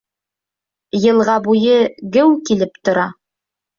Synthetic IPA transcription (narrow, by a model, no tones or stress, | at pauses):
jɤ̆lˠʁɑbujɤɡɘwkilɘpt̪ŏɾɑ